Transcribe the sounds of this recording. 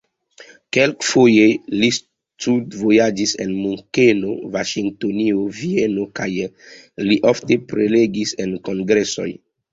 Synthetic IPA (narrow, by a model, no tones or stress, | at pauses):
kelkfojelis | tudvo̞jad͡ʒise̞nmuŋkenovaʃiŋktoniovie̞no̞kaj | liʔofte̞pɾele̞ɡisenko̞ŋɡɾe̞so̞̰j